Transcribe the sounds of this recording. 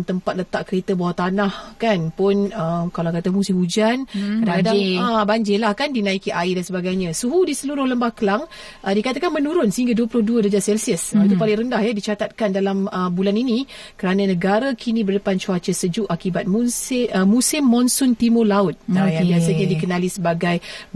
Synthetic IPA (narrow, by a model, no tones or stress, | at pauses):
nt̪əmpat̪̚lət̪aʔkəɾet̪əbawat̪anahkanpʊnəmkalakat̪amusɪmhud͡ʒankədadaabaɲd͡ʒɪlahkandinãikiʔaidansəbaɡajɲãsuɦudisəluɾʊhləmbahkəlaŋ | ʔədikat̪akanmənuɾʊnsəɦiŋɡaduəpulʊhduədəd͡ʒasɛlsiəsəit̪upalɪŋɾəndahjədit͡ʃat̪at̪̚kandalaməbulanini | kəɾananəɡaɾakʰinibərdəpant͡ʃuat͡ʃəsəd͡ʒuʔakibat̪̚munsɪəmusɪmːɔnsʊnt̪imolaʊt̪̚ajabiasəɲadikənalisəbaɡaj